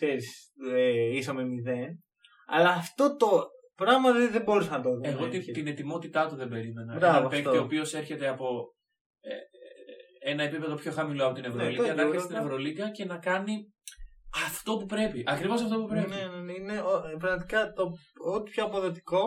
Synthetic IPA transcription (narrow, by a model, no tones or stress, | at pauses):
kseɾis | eisɐmemiðen | ɐ̰lɐːft̪o̞t̪o̞ | pɾɐɣmɐðeðemboɾusɐnɐt̪oeɣot̪it̪ine̞t̪imo̞t̪it̪ɐt̪uðe̞be̞ɾime̞nɐmɐɐɐpek̪eo̞pio̞se̞ɾçe̞t̪e̞ɐpo̞ | e | enɐe̞pipe̞ðo̞pço̞xɐmilo̞ɐpo̞t̪inevɾoliɐnɐst̪inevɾo̞likɐce̞nɐkɐni | ɐft̪o̞pupɾe̞piʔɐkɾivos̬ɐft̪o̞pupɾenenenineopɾɐɣmɐt̪i̥kɐt̪oot̪i̥pçoɐpoðe̞t̪i̥ko̞